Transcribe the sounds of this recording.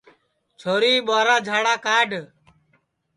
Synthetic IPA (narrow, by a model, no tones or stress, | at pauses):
t͡ʃʰoːɾiːɓaːɾaːd͡ʒʱaːɽaːkaːɖʱ